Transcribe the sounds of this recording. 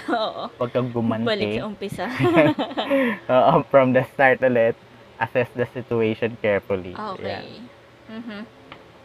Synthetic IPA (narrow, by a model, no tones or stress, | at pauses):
ʔoʔopɐɡ̚kɐŋɡʊmɐntɐlɛʊmpɪsa | ʔoːʔofɹɐmd̪ɐst̪aɹt̪ɐlɛt̪̚ | ʔɐsɛsd̪ɐsɪtʊejʃɔnkɛɹfʊlḭʔokja̰ | m̩ːɦ̩